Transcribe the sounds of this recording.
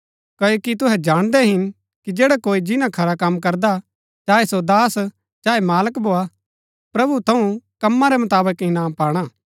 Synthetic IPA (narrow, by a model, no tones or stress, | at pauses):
kɐjokit̪̬ʊɦɛd͡ʒaːɽ̃d̪ɛɦɪn | kid͡ʒeːɽakoːid͡ʒɪnãkʰɐɾakɐmːkɐɾd̪a | t͡ʃaːesod̪aːs | t͡ʃaːemaːləkbʱoːa | pɾɐbut̪ʰɐũkɐmːãɾɛmɐt̪aːbəkɪnaːpaːɽ̃aː